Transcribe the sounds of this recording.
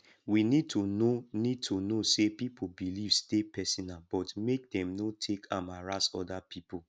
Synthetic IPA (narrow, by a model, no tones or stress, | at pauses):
winid̚tʰunonid̚tʰunosepipobilivstepʰɛsɔnalbɔtmek̚dɛ̃mnotʰekʰãmaɹasɔ̰dapʰipo